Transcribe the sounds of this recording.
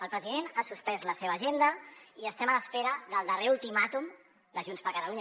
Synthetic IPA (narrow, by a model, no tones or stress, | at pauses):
əlˠpɾəziðenasuspɛzləseβəːʒend̪əiəst̪ɛmələspeɾəðəlˠd̪əreulˠt̪imat̪um | d̪əʒunspəɾkət̪əluɲ